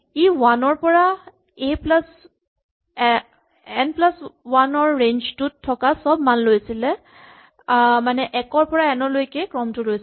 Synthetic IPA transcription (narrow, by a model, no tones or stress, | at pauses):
iwanɔɹpɔɹa | eplas | ɛnplaswanɔɹːend͡ʒtutʰːɔkasɔbmanlojsilɛ | manɛʔɛkɔɹpɔɹaɛnɔlojkɛkɹɔmtʊlojs